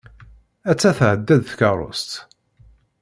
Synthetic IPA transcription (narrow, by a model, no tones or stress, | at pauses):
æt͡sːæθʕəd̪ːæðθkɑɾˤo̰st̪